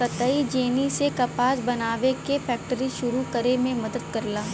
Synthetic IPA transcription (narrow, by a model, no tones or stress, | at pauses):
kɐt̪əid͡ʒeːnisekɐpaːsbɐnaːʋekefɛːk̚ʈəɾiʃʊɾukɐɾemẽmɐd̪əd̪kɐɾlaː